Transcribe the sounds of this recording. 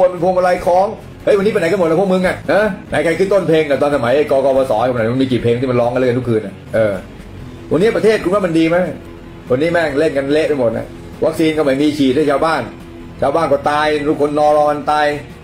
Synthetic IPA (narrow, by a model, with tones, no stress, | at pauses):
u˧npe˧npʰu˧ma˧la˧jkʰɔː˦˥ŋ | ʔə˦˥jwa˧niː˦˥pe˧na˨˦jka˧no˨˩t̪̚ʔpʰu˥˩k̚mɯ˧ŋʔa˨˩ʔha˦˥na˨˩˦jkʰa˧jkʰɯː˥˩t̪o˥˩npʰeː˧ŋt̪aː˨˩t̪ɔː˧nsʰa˧ma˨˩˦ja˥˩jkɔː˧kɔː˧˩pɔː˧sɔː˨˦˧ma˨˩˦m˧miː˧t͡ɕi˨˩pʰeː˧ŋt̪ʰi˥˩ma˧nlɔː˦˥ŋka˧lɛ˥˩˧nt̪u˥kʰɯː˧nʔa˨˩ʔɤː˧ | wa˧nːiː˦˥˩pɾa˧t̪ʰeː˥˩t̪̚ku˧nwa˦˥˩ma˧ndiː˧ma˦˥˩ | wa˧nːiː˦˥mɛ˥˩ŋle˥˩nka˧nle˦˥ʔka˧˩mo˨˩t̪̚na̰˨˩ | wa˦˥k̚siː˧nkɔ˥˩ma˩˦miː˧t͡ɕʰiː˨˩ha˥˩t͡ɕʰaː˧wbaː˥˩n | t͡ɕʰaː˧wbaː˥˩nkɔː˥˩t̪aː˧jt̪u˦˥˩kʰo˧nːɔː˧˩ɾɔː˧˥ka˧nt̪aː˧j